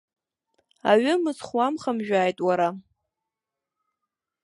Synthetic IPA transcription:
a̰ɥʏmɨzχwamχamʒᶣaːjtʼwaɾa

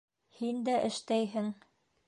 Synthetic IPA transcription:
hind̪æʔɘ̆ʃt̪æjɦɘŋ

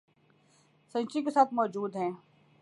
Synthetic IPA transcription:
sɐ̃nt͡ʃikesaːt̪̚ʰmɔːd͡ʒuːd̪ɦɛ̃ː

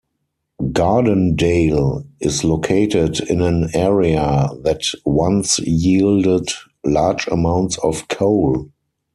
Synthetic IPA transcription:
ɡadə̃ndeɪlɪslokʰeɪtɪdɪ̃næ̃nɛɹiaðætwãnsjiːldəd | laːd͡ʒə̰mãʊ̃ntsɔfkʰoʊl

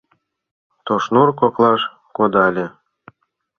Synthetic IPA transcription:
t̪oʃnurkoklˠɑʃ | kod̪ɑlʲĕ

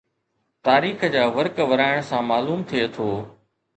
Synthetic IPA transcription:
t̪aːɾiːxəd͡ʑaːʋəɾkʋɐɾaːɪɽ̃sãmaːluːmt̪ʰiet̪ʰoː

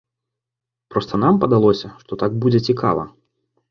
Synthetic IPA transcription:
pɾɔst̪ɐnampɐd̪alˠɔsʲɐʂt̪ɔt̪aɡ̚bud͡zʲɛt͡sʲikʰa̰vɐ̰

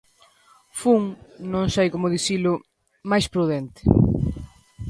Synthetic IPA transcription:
fuŋnõŋsajkomʊðisilʊ | majspɾuðent̪ɪ̥

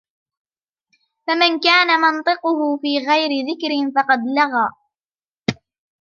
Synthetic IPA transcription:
famankaːnamɨnt̪ˤɨqʊɦʊfiːɣajɾɪðɪkɾɪnfɑqɑd̪laɣaː

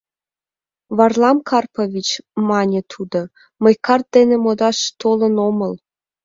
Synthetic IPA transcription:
βɑrlˠɑmkʰɑrpovʲit͡ɕmɑnʲĕt̪ʰud̪ɤ̆ | mɤ̆jkɑrt̪̚d̪enĕmod̪ɑʃt̪olɤ̆nomɤ̆l

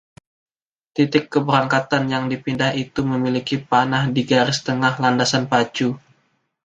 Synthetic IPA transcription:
t̪it̪ɪkːəbəɾaŋkat̪anjaŋdipindaɦit̪uməmilikipanahdiɡaɾɪst̪əŋahlandasanpat͡ʃu

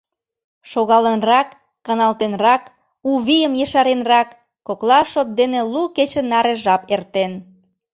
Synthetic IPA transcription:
ʃoɣɑlənrɑkː | ɑnɑlt̪enrɑk | uβijəmjəʃɑɾenrɑkː | oklɑʃot̪̚d̪eneluket͡ɕə̆nɑɾeʒɑpert̪en

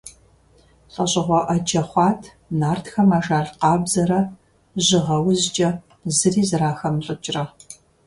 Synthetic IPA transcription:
ɬʼɐɕʼɪʁʷɔʔɐt͡ʃʰʼɐχʷɑːtʰ | naːrtxɐmaːʒaːɮqɑːbzɐɾɐ | ʑɪʁɐwzt͡ʃʼɐ | zɨriːzɨɾaːxɐmɬʼɨt͡ʃʼrɐ

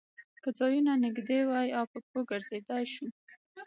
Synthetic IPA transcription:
kəd͡zɑjunanɪɡd̪ewɑjawpəkoɡəɾzed̪ɑjʃu

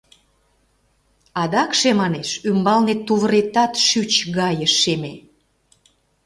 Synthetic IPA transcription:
ɑd̪ɑkʃemɑneʃymbɑlnet̪ːuβəɾet̪ɑt̪ʃyt͡ɕɣɑjəʃːeme

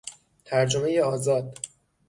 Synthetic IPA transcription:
t̪ʰæɾd͡ʒome̞jeɒːzɒːd̪̥

